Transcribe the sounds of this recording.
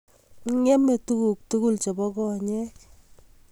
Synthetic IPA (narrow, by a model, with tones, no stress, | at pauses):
ŋɛ˦me˨tu˦ku˨k̚tu˦ku˦lt͡ʃe˨bɔ˦kɔ˦ɲɛ˦k